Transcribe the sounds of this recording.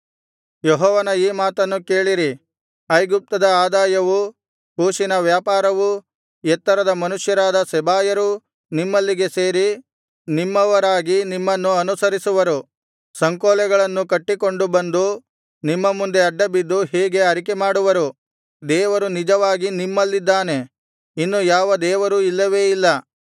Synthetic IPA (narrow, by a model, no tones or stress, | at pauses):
jɔɦɔːʋɐnɐiːmaːt̪ɐnːuke̞ːɭiɾi | ɐjɡup̚t̪ɐd̪ɐaːd̪aːjɐʋu | huːʃinɐʋjaːpaːɾɐʋu | ɛt̪ːɐɾɐd̪ɐmɐnuʂjɐɾaːd̪ɐsɛbaːjɐɾu | nimːɐlːiɡe̞se̞ːɾi | nimːɐʋɐɾaːɡinimːɐnːuɐnusɐɾisuʋɐɾu | sɐŋkoːlɛɡɐɭɐnːukɐʈːiko̞ɳɖubɐnd̪u | nimːɐmund̪e̞ɐɖːɐbid̪ːuɦɛːɡe̞ɐɾik̬emaːɽuʋɐɾu | d̪ɛːʋɐɾunid͡ʒɐʋaːɡinimːɐlːid̪ːaːne̞ | inːujaːʋɐd̪ɛːʋɐɾuilːɐʋe̞ːilːɐ